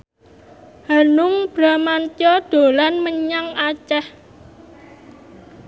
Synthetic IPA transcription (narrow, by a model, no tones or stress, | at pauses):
hanʊŋb̥ɾamant͡ʃɔd̪̥o̤lanməɲaŋat͡ʃɛh